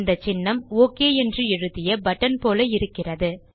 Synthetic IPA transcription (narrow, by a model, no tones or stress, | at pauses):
nd̪ɐt͡ʃːɪnːɐmoːkeːɛndrɯɪɻɯðɪjɐbɐʈːɐnpoːlɐɪɾɯkːɪrɐðɯ